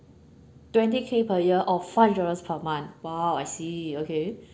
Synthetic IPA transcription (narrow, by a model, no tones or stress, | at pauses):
twɛ̃ntikʰepʰəjiʔɔffaɪfdɔɹəspʰəmãnwawajsiokʰe